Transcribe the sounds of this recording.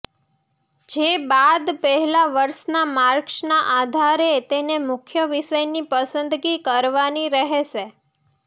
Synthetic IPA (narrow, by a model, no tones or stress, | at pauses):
d͡ʒebad̪pəɦɛlaʋəɾʃnamaɾkʃnaʔad̪ʱaɾet̪enemʊkʰjəʋiʃəjnipəsənd̪ɡikəɾʋaniɾəɦeʃe